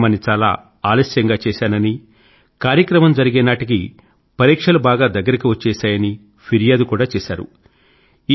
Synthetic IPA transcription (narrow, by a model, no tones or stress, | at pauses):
mɐnit͡ʃaːla̰ː | aːlɐsjɐŋɡaːt͡ʃɛːsaːnɐni | kaːɾjɐkɾɐmɐmd͡ʒɐɾiɡeːnaːʈik̬i | pɐɾiːkʂɐlubaːɡaːd̪ɐɡːɐɾikiʋɐt͡ʃːɛːʃaːjɐni | pʰiɾijaːd̪ukuːɽaːt͡ʃɛːʃa̰ːɾṵ | i